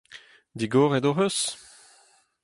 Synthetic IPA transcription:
d̪iɡoːʁed̪oɦøs

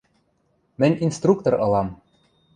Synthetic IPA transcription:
mɘ̆nʲinst̪rukt̪ŏrɤ̆lˠɑm

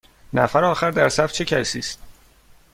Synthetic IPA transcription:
næfæɾɒːxæɾd̪æɾsæft͡ʃʰecʰæsiːst̪̚

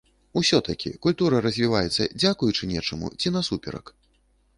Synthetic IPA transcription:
usʲɔt̪ɐkʲḭkulʲt̪uɾɐɾɐzʲvʲivajɛt̪sːɐ̰d͡zʲakujut͡ʂɨnʲɛt͡ʂɐmṵt͡sʲinɐsupʲɛ̰ɾɐ̰k

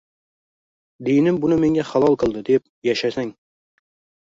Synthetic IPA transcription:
d̪ejnɪmbʊnɪme̞ŋɡʲaχalˠɒlˠqɨlˠd̪ɪd̪ep̚ | jaʃasaŋ

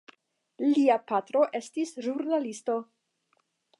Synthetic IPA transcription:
liapatɾo̞ʔe̞stisʒuɾnalisto̞

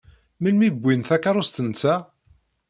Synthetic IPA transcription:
milmibʷːinθækːaɾˤost̪ənt͡sːæ

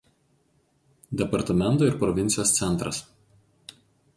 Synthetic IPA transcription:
d̪ʲɛpɐɾt̪ɐmʲɛnt̪oːɪɾpɾɔʋʲɪnʲsʲɪjoːst̪sʲɛnˑt̪ɾɐs

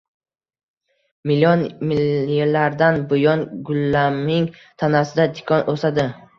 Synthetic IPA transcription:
mɪlːijɒnmilelaɾd̪anbʊjɒnɡʊlːamɪŋt̪ʰanasɪd̪ad̪ɪkʰɒnʔosad̪ɪ

